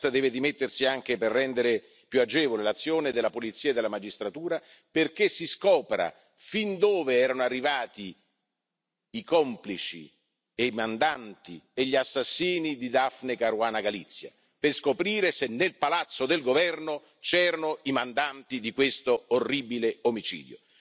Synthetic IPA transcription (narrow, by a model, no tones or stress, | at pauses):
t̪d̪ɛːved̪imet̪ːersiaŋk̟eperːɛnd̪eɾe | pjuad͡ʒɛːvolelat̪sːjoːned̪elːapolit̪sːiːaed̪ːelamad͡ʒist̪ɾat̪uːɾaperk̟esːiskɔːpɾa̰ | find̪oːveɛːɾanoarːivaːt̪i | ikɔmplit͡ʃḭ | eimand̪ant̪ieʎːiasːasːiːnid̪id̪afnekaɾwaːnaɡalit̪sːja̰ | peskopɾiːɾesenːelpalat̪sːod̪elɡovɛrno | t͡ʃɛːɾanʊimand̪ant̪id̪ikwest̪oorːibileomit͡ʃḭːd̪jo̰